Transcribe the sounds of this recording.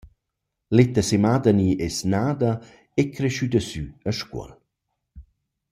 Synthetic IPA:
let̪əsemad̪əniʔɛsnaːd̪ə | ekɾeʃyd̪əsyəʃkwə̰l

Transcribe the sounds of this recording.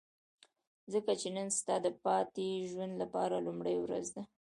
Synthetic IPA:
zəkat͡ʃenanst̪ɑd̪əpɑt̪eʒwand̪lapɑɾalumɽəjwɾa̰zd̪a

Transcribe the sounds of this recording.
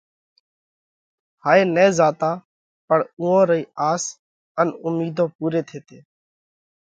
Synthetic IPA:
haːeːnɛːzaːt̪aː | pəɳũːõːɾəiːaːs | ənʊmiːd̪ʱõːpuːɾeːt̪ʰeːt̪eː

